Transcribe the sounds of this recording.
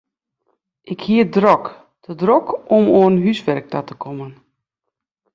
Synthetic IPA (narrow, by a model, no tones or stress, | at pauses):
ʔɪkhiədrɔk | d̥ədrɔkɔmoːnɦysʋɛrk̚dɔtəkʰɔmən